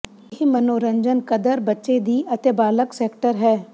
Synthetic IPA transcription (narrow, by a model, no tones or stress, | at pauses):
jɪɦimənoːɾə̃ɲd͡ʒənkəd̪əɾbɐtːʃed̪iːɐt̪ebaːləkseːkʈəɾɦɛː